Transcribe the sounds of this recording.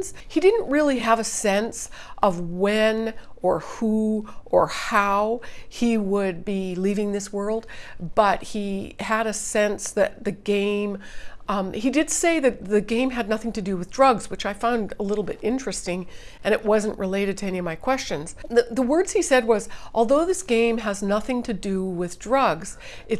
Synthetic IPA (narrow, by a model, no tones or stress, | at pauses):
z̥ | hidɪdⁿn̩tʔɹɪlˠiəvɨsɛ̃ns | ʔʌvwɨ̃nə˞huʔə˞haʊhiwəd̚bilivɪ̃ŋðɪswɜ˞lˠd̚b̥ʌt̚hiɨɾɨsɛ̃nsðɨt̪̚ðɨɡẽɪ̃m | hidɨdseɪðɨt̪̚ðɨɡẽɪ̃mɨdⁿnʌθɪ̃ŋtʰɨdɨwɨðdɹʌɡzwɨt͡ʃaɪfãʊ̃ndəlɪɾl̩ˠbɪɾɪ̃nt͡ʃɹ̥ɨstɪ̃ŋʔɨ̃ɾ̃ɨʔwʌzɨ̃n̩ʔɹʔɨleɪɾɨd̚tʰɨɛñiʌvmaɪkʰw̥ɛst͡ʃɨ̃nz̥ðɨðəwɜ˞dz̥isɛd̚wʌzʔɔlˠðoʊðɪsɡ̥ẽɪ̃məznʌθɪ̃ŋtʰɨdɨwɪðdɹʌɡz̥ | ɨt